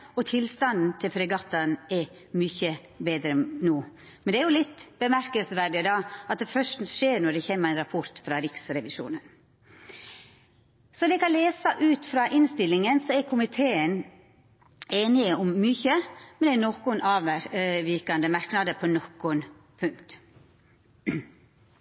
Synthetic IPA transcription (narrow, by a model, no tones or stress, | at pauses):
ɔt̪ʰɪlst̪ɑnd̪n̩t̪ʰɪlfɾɛɡɑt̪ːɑnɛ | mʏçə | beːd̪ɾəɛnuː | mɛnd̪ɛæɛɾjʊlɪt̪ːb̥əmæɾkəlsʋæɾɖɪəd̪ɑɑt̪̚d̪ɛfœʂtnʂeːɾnɔɖ̪ɛçɛmːəɾæɪnɾɑpʰɔɾt̪fɾɑɾɪksɾɛʋɪʂṵːnən | sɔd̪ɛkɑnleːsəʔʉːt̪fɾɑːʔɪnst̪ɪlːɪŋənsɔɛɾkʰʊmɪt̪ʰeːən | eːnɪəʊmːʏçəmɛnd̪ɛnɔkʊnɑːʋʋɪkɑnd̪əmɑɾknɑːd̪əpʰɔnɔkːʊn | pʰʉŋkt̪